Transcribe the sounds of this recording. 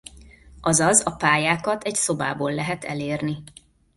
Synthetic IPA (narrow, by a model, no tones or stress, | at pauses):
ɒzɒzɒpaːjaːkɒt̪ɛɟso̞ba̰ːboːlːɛɦɛt̪ɛ̰leːrni